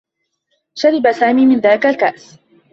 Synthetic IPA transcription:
ʃaɾɪbasaːmiːmɪnðaːlɪkalkaʔs

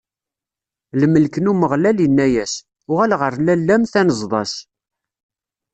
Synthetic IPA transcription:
ləmːəlkənuməʁlælənːæjæs | ʊʁælʁəɾlælːæmθænəzˤðˤɑs

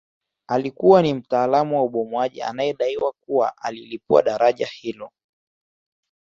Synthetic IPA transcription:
alikuwanim̩taːlamuwauɓɔmwaʄḭa̰najɛɗaiwak̚uwa̰ʔalilip̚ua̰ɗaɾaʄahilɔ

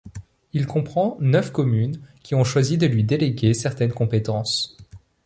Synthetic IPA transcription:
ilkɔ̃pχɑ̃nœfkɔmynkʲiɔ̃ʃwazid̪əlɥid̪eleɡʲesɛʁt̪ɛnkɔ̃pet̪ɑ̃s

